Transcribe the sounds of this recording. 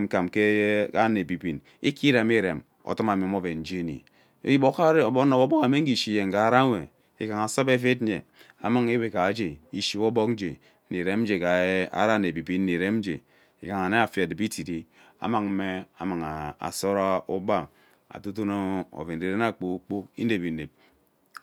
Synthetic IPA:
m̩˨ka˨mke˦ka˦ne˨bi˨bi˨n | i˦ki˦ɾa˨mi˦ɾe˨m | o̰˨tu˦ma˨m˨e˨˦m˦o˦ve˨n̩˨˦d͡ʒe˦nḭ˨˦ | ji˦bo˦ka˦˨bo˦no˨bo˦bo˦ka˨me˦ŋ̩˦ɡi˨ʃi˦je˨ŋ˨ɡa˨˦ɾa˦we˨ | ḭ˨ka˨ŋa˨so˦be˦fe˦te˨ | a˨ma˦ŋe˦we˨ka˨˦d͡ʒe˨i˦ʃi˦bo˦bo˦kn˦d͡ʒe˨˦ | nei˨ɾe˦m̩˦d͡ʒe˨ka˨a̰˨˦ɾa˦ne˨bi˨bi˦n̩˦ni˨ɾe˦m˦d͡ʒḛ˨ | ḭ˨ka˨ŋa˨ne˦a˨fja˨di˨bi˦ti˨di˦ | a̰˨ma˨ŋm̩˦me˦a̰˨ma˨ŋa˨a̰˨so˦ɾa˦u˦ba˦˨ | a̰˨tu˦t̬u˦no˦o̰˨ve˨n̩˨di˨ɾe˦n˦a˦˨k͡po˦u˦k͡po˦ḭ˦ne˨bi˨ne˨p̚

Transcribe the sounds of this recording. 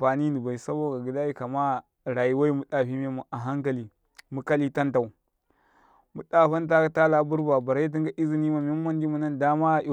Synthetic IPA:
a˨ni˦ni˨ba˨i˨sa˦bo˦ɡa˨ɡi˨da˦ji˦ka˨ma˦ | ɾa˨ji˨˦wa˦i˦mu˦ɗa˨ɸi˦me˦mu˨ʔa˨ɦa˦ŋka˨li˨ | mu˦ka˦li˦ta˦nta˨u˨ | mu˨ɗa˦ɸa˦nta˦ta˦la˨˦bu˦ɾba˨ba˨ɾa˦t̬i˦ŋɡa˦ʔi˦zi˨ni˦ma˨mi˦mː˦a˦ndi˦mu˨na˦nda˦ma˦i˨

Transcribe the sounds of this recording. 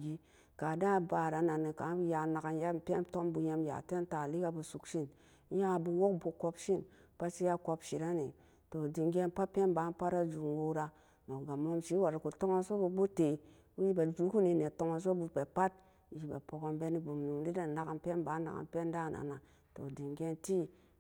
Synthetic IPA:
ɡi˦ | ka˨da˦˨ba˨ɾa˨˦na˨ni˨ka˨˦bu˦ja˨na˨ka˨n˦ja˦m˨pʲe˦nto˦mbu˧ɲe˧m˦ja̰˨te˦n˦ta˨li˦ka˧bu˧su˨kʃi˦n˦ | ja˦˨bu˧wo˦kbu˧ko˧pʃi˦˨n | pa˦t͡ʃi˦ja˦ko˧pʃi˨ɾa˦ni˨ | to˨di˧ŋɡe˦n˦pa˦pe˦nba˨˦m˦pa˦ɾa˦d͡ʒu˨ŋ˨wo˦ɾa˧ | no˨ɡa˨mo˦mʃi˨˦wa˨ɾa˨ku˨to˦ŋa˦so˦bu˧bu˦te˨ | u˦ji˦ba˨d͡ʒu˦ku˦ni˧ne˨to˦ŋa˨s̬o˦bu˧pe˨pa˦t̚ | ji˦ba̰˨po˨ko˧mbe˦ni˦bu˨mnu˨mli˦da˨na˨ka˨npʲe˦nba˨˦na̰˨ka̰˨mpʲe˦n˦da˦˨na̰˨na˨ | to̰˨di˨ŋɡe˦nti˦

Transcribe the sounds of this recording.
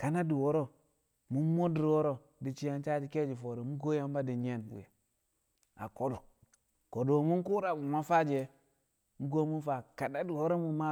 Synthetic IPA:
ka˨na˦di˨wo˦ɾo˦ | mu˦mo˦di˨ɾwo˦ɾo˦ | di˨t͡ʃi˦ja˦nt͡ʃa˦d͡ʒi˨ke˦d͡ʒi˨fo˨ɾo˨mu˦ɡo˦ja˦m˦ba˦di˨ɲe˦˨nwṵ˨je˨ | a̰˨ko˦do˨ | ko˨do˨mu˦n˦ku˦ɾa˨bu˨ma˦fa˦d͡ʒe˨ | mu˦ɡo˦mu˦fa˨ka˨da˦di˨wo˦ɾo˦mu˨ma˦

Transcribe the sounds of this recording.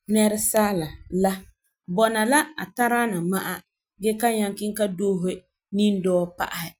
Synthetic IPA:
nɛ˦ɾɪ˦saː˦la˨la˦ | bɔ˨na˨la˦a̰˨ta˦ɾa˦na˨ma˦ʔa˦ | ɡɛ˦ka˦ɲa˦ŋki˦ŋ˦ka˦doː˦ɦe˦ | ni˦n˦dɔː˦pa̰˦ʔa˨hɪ˦

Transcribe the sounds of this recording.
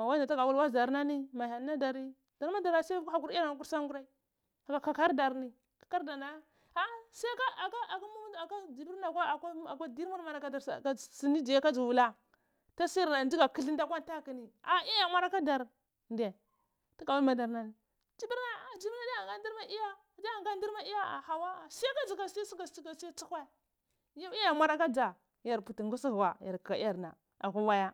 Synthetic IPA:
ma˨wa˦da˨ta˦ɡa˨wu˦lwa˦˨za˨ɾna˦ni˦ma˨ja˨n˦na˦da˨ɾi˦ | d̥a˨ɾma˦da˨ɾa˨sa˦a˨ku˦ɾi˦ja˦˨k̬u˦ɾsa˦ŋɡu˦ɾa˦i˦ | a˨ka˨ka˨ka˦ɾda˨ɾni˨ | kḁ˨ka˦ɾda˨a˦ | a˦sa˦ka˦a˨ka˦a˨ka˦mu˦a˨ka˦d͡ʒi˨bi˦ɾna˨kʷa˦˨kʷa˦a˨kʷa˦di˦ɾmu˦ɾma˨na˨ka˨da˨ɾa˨si˨ni˦d͡ʒi˨ja˦ka˦d͡ʒu˨vu˨la˦ | ta˦si˦ɾna˨di˦ɡa˨ki˦ɬi˦nda˦kʷa˦n˦ta˦ki˨ni˨a˨i˦ja˨mʷa˦ɾa˦ka˦da˨ɾ | nde˨ | ti˦ɡa˨bu˦ma˨da˨ɾna˨ | d͡ʒi˦bi˦ɾna˨a˨d͡ʒi˨˦bi˦na˦da˦a˨ŋɡa˦di˦ɾa˦i˦ja˦˨da˦a˨ŋɡa˦n˦di˦ɾma˦i˦ja˦a̰˨ha˨wa˦˨si˦a˦ka˦d͡zi˨ɡa˨si˦a˦si˦ɡa˨˦t͡ʃi˦ka˨si˦a˦t͡su˦kʷa˦˨ | ja˦i˦ja˨ma˦ɾa˦ka˦d͡ʒa˨ | ja˨ɾpu˨ti˨ŋɡu˦si˦ɣwa˨ja˨ɾka˨ka˨i˦a˨ɾna̰˨ | a˨kʷa˦wa˦ja˦

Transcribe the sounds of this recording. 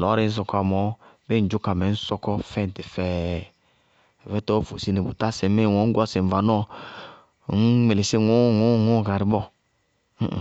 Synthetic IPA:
lɔ˨˦ɾe˨˦n̩˦s̬ɔ˧kɔ˦a˨mɔ˨˦be˦n˨d͡ʒu˦ka˨mɛ˨˦n̩˦sɔ˧kɔ˦fɛ˦˨n˨ti˨fɛ˦˨ | vɛ˦tɔː˦˨fo˨si˦ne˨bṵ˨ta˦se˨˦me˦˨wɔ˨˦ŋ̩˦ɡʷɔ˦se˨m˨va˨n˦ɔ˦˨˦ | n̩˦me˨le˨si˦˨ŋu˦˨ŋu˦˨ŋu˦˨ka˨ɾi˨bɔ˦˨

